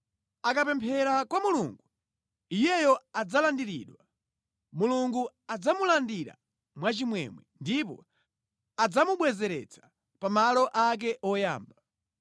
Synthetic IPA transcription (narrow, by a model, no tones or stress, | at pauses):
akapɛmpʰɛɾakwamuluŋɡu | ijɛjɔad͡zalandiɾḭɗwa | muluŋɡu | ad͡zamulandiɾa̰ | mwat͡ʃimwɛ̰mwɛndipɔ̰ | ad͡zamuɓwɛzɛɾɛ̰t͡sʰḁ | pamalɔʔak̬ɛʔɔja̰ːmba